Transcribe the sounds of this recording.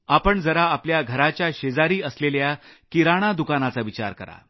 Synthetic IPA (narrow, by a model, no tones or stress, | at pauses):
apəɳd͡zəɾaːpljaɡʱəɾat͡ɕjaɕed͡zaɾiːəsleljakiɾaɽ̃ad̪ukanat͡saʋit͡ɕa̰ɾkə̰ɾa̰